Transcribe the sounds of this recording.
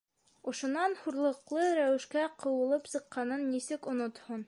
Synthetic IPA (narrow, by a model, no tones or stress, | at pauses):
ŏʃŏnɑnhuɾlˠɤ̆qlˠɤɾæwɘ̆ʃkæqʰɤ̆wɤ̆lˠɤpsɤ̆qːɑnɤnːisɘkŏnŏt̪hon